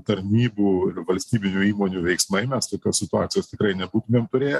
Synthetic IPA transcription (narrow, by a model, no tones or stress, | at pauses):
t̪ɐɾʲnʲiːbuːɪʋɐlʲsʲt̪ʲiːbʲɪnʲuːiːmoːnʲuːʋʲɛɪksmɐɪmʲɛst̪oːkʲoːsʲsʲɪt̪ʊaːt̪ʲɪjoːst̪ʲɪkɾɐɪnʲɛbuːt̪ʊmʲeːmt̪ʊɾʲeːjɛ